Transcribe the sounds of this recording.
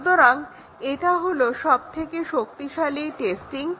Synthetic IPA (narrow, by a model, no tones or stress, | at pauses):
t̪oɾaŋ | eʈaɦoloʃɔb̚t̪ʰekeʃok̚t̪iʃaliʈesʈiŋ